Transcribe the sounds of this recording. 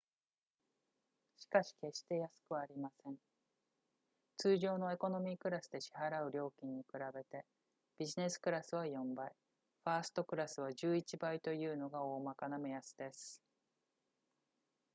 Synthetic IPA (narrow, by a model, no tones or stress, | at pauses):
ɕi̥kaɕi̥ke̞ɕi̥t̪e̞jasɨ̥kɯ̟βaːɾʲimasẽ̞ɴ̃ | t͡sɨːʑo̞ːno̞e̞ko̞no̞mʲiːkɯ̟ɾasɨd̪e̞ɕi̥haɾaɯ̟ɾʲo̞ːkʲĩɲ̟ːikɯ̟ɾabe̞t̪e̞ | b̥ʲiʑine̞sɨ̥kɯ̟ɾasɨβ̞ajõ̞mbai | ɸaːsɨ̥t̪o̞kɯ̟ɾasɨβaʑɨːit͡ɕibait̪o̞jɯ̟ːno̞ɡao̞ːmakanamejasɨ̥d̪e̞sɨ̥